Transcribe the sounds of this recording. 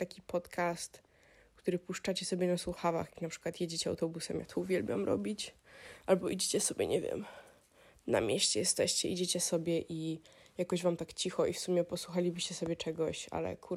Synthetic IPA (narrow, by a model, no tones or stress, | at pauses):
t̪akʲipʰɔt̪kʰast̪ | kt̪uɾɘpuʂt͡ʂat͡ɕɛsɔbʲjɛnaswuxava̰xjanapʂɘ̥kwat̪jed͡ʑet͡ɕɛawt̪ɔbusɛmja̰t̪ʰɔuvʲjɛlbʲja̰mɾɔ̰bʲit͡ɕʔalbɔʔid͡ʑet͡ɕɛsɔbʲjɛ̰ɲɛvʲjɛ̰m | na̰mʲjeɕt͡ɕɛjɛst̪ɛɕt͡ɕɛid͡ʑet͡ɕɛsɔbʲjɛʔijakɔʑvamt̪akt͡ɕixɔifsumʲjɛpɔswuxalʲibɘɕt͡ɕɛsɔbʲjɛt͡ʂɛɡɔɕa̰lɛ̰kʰu